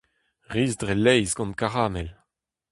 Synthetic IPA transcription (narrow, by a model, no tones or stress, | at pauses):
ʁiːzdʁelɛjzɡɑ̃n̚kaʁaːmɛl